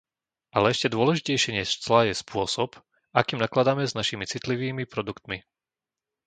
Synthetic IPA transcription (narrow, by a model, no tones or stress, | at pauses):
ʔalɛɛʃcɛd̪ʊɔlɛʒicɛjʃɛɲɛʃt͡slajɛspʊɔsɔp | akiːmnaklad̪aːmɛznaʃimit͡sit̪liʋiːmipɾɔd̪ukt̪mi